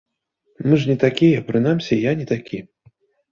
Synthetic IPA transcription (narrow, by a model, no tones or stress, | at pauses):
mɨʐnʲɛt̪akʲijɐpɾɨnamsʲɛjanʲɛt̪akʲi